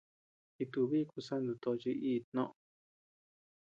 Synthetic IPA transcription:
i˧t̪u˧βi˦˧ku˧sa˦nd̪u˧t̪o˧t͡ʃi˧ʔiː˦˧t̪nõ̰˦ʔo

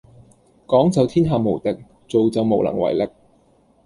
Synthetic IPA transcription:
kɔː˨˥ŋt͡sɐ˨˧wt̪ʰiː˥nɦaː˨˧mo˨˩wt̪ɪ˨k̚ | t͡so˨wt͡sɐ˨˧wmo˨˩wlɐ̰˨˩ŋwɐ̰˨˩jlɪ˨k̚

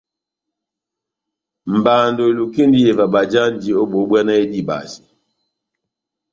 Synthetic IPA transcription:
m̩˨ba˨ndo˨lu˨ki˦ndi˦je˨va˨ɓa˨d͡ʒa˦n˦d͡ʒi˨o˦ɓo˨˦ɓwɛ˦na˦e˦di˦˨ɓa̰˨si̥˨

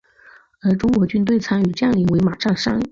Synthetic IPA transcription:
ə˞˧˥ʈ͡ʂʊ˥ŋkwɔ˧˥t͡ɕy˥nt̪we˥˩ɪt͡sʰa˥ny˨˩ʈ͡ʂɤ˥˧jɑ˥˩ŋi˧˥ŋwe˧˥ɪma˨˩ʂa˥˩ŋʂa̰˥ŋ˨˩

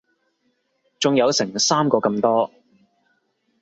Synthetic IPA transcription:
t͡sʊ˨ŋjɐ˨˧wsɪ˨˩ŋsaː˥mkɔː˧kɐ˧mt̪ɔː˥

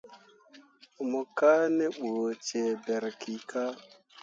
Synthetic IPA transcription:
mʊ˨ka˦ne˦ɓo˨t͡ʃe˨be˨ɾki˨ka˦

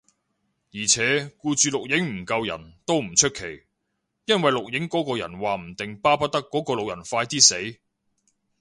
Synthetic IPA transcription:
jiː˨˩t͡sʰɛː˨˥kuː˧t͡ʃyː˨˧lʊ˨k̚jɪ˨˥ŋm̩˨˩kɐ˧wjɐ̰˨˩nt̪o˥wm̩˨˩t͡ʃʰɵ˥t̚kʰe˨˩j | jɐ˥nwɐ˨jlʊ˨k̚jɪ˨˥ŋkɔː˨˥kɔː˧jɐ̰˨˩nwaː˨˩m̩˨˩t̪ɪ˨ŋpaː˥pɐ˥t̚t̪ɐ˥kːɔː˨˥kɔː˧lo˨k̚jɐ̰˨˩nfaː˧jt̪iː˥se˨˥j

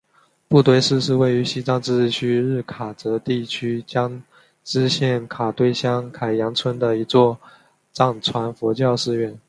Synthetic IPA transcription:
pu˥˧t̪we˥˧ɪʂɻ̩˥˧ʂɻ̩˥˧we˥˩ɪy˧˥ɕi˥ʈ͡ʂɑ˥ŋʈ͡ʂɻ̩˥˧˥t͡ɕʰy˥ɻɻ̩˥˩kʰa˨˩t͡sɤ˧˥t̪i˥˩t͡ɕʰy˥t͡ɕjɑ˥ŋ | ʈ͡ʂɻ̩˥ɕjɛ˥˩nkʰa˨˩t̪we˥˩ɪɕjɑ˥ŋkʰa˨˩ɪjɑ˧˥ŋt͡sʰwə˥nd̪ə˨i˧˥t͡swɔ˥˧˩ | ʈ͡ʂɑ˥˩ŋt͡sʰwa˧˥nfɔ˧˥t͡ɕjɑ˥˧ʊʂɻ̩˥˧ɥɛ˥˩n

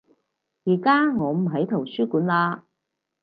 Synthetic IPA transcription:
jiː˨˩kaː˥ŋɔː˨˧m̩˨˩ɦɐ˨˥jt̪ʰɐ˨˩wsyː˥kuː˨˥nlaː˧

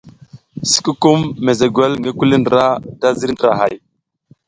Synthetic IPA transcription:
si̥˨ku˦ku˦mːe˨ze˨ɡʷe˦lŋɡe˦ku˦li˦ndə˨ɾa˦da˦zi˦ɾndɾa̰˨ɦa˨j

